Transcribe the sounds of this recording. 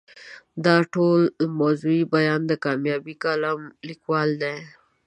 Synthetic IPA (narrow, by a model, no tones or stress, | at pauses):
d̪ɑʈolmazuibajɑnd̪əkɑmjɑbikalamlikwɑld̪e